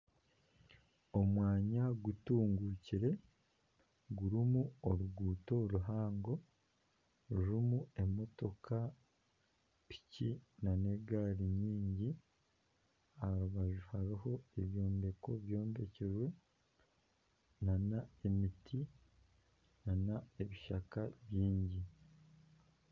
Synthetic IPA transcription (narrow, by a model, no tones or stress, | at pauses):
o̞mwaːɲaɡutuːŋɡuciɾe̞ | ɡuɾimuoɾuɡuːto̞ɾuɦaːŋɡo̞ | uɾumue̞mo̞to̞kʰa | pi̥cinane̞ɡaːɾiɲiːɲɟi | aɾuβaʒuhaɾiho̞e̞βjo̞ːmbe̞ko̞βjo̞ːmbe̞ceʒwe̞ | nanae̞mitʰi | nanaeβiʃakaβjiːɲɟi